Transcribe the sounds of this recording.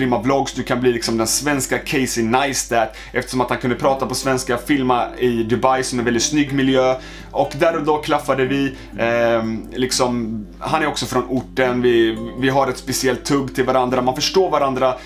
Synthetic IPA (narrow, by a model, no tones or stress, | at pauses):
ɾɪmːablɔɡːsd̪ɵkʰanbliːlɪksɔmd̪ɛnsvɛnskakʰɛɪsɪnajst̪æːt̪ | ɛft̪ə̥ʂɔmat̪hankɵnd̪əpʰɾɑːt̪apɔsvɛnskafɪlmaɪd̪ɵbajsɔmɛnvɛlɪt̪snʏɡːmɪljøː | ʔɔkd̪æɾɔd̪ɑːkʰlafːad̪əvɪ | lɪksɔm | ɦanːæɾɔksɔfɾɔnʊʈːənvɪvɪɦaɾɛt̪spɛsɪɛlt̪ʰːɵɡːt̪ʰɪlvaɾand̪ɾamanfœʂʈoːɾvaɾand̪ɾa